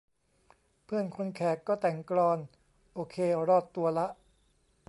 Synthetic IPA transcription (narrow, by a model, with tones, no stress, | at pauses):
pʰɯ˥˩ənkʰo˧nkʰɛː˨˩kːɔː˥˩t̪ɛ˨˩ŋklɔː˧n | ʔoː˧kʰeː˧ɾɔː˥˩t̪ːu˧ɐla˦˥ʔ